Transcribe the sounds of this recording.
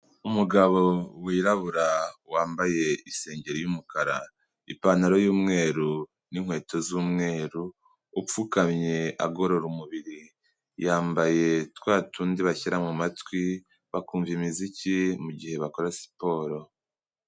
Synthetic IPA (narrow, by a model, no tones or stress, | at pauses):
umuɡaβo̞wiːɾaβuɾawaːmbaje̞ise̞ːɲɟe̞ɾijumukaɾa̰ | ḭpanaɾo̞juːmŋe̞ːɾu | niŋhwe̞ːto̞zuːmŋe̞ːɾuː | p͡fukamɲe̞a̰ɡo̞ɾo̞ɾumuβiɾi | jaːmbaje̞twaːtʰuːndiβaçiɾamŋamatwi | βakuːɱvimizicimuɟihe̞βako̞ɾasi̥po̞ːɾo̞